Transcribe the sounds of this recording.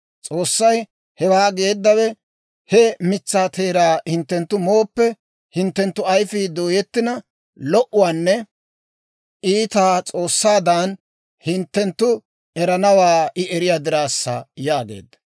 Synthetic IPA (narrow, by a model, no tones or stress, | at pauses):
t͡sʼo̞ːsːɐj | hɛwaːɡeːd̪ːɐwɛ | hɛmɪt͡sːaːt̪ʰeːɾaːhɪnt̪ːɛnt̪ːʊmo̞ːpːɛ | hɪnt̪ːɛnt̪ːʊɐjfiːd̪o̞ːjɛt̪ːɪnɐ | lɔʔʊwaːnːɛ | ʔiːt̪aːt͡sʼo̞ːsːaːd̪aːn | hɪnt̪ːɛnt̪ːʊ | ɛɾɐnɐwaːʔɪʔɛɾɪjaːd̪ɪɾaːsːɐ̰jaːɡe̞̰ːd̪ːɐ̥